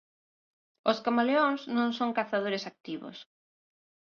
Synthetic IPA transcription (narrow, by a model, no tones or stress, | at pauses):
ʊskamaleoŋsnõŋsoŋkaθaðoɾɪsak̚t̪iβo̰s